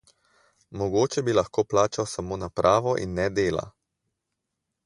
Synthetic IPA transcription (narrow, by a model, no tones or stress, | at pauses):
mɔɡoːt͡ʃɛbilaxkoːplaːt͡ʃawsamoːnapɾʔaːʋɔʔḭnːɛd̪eːla̰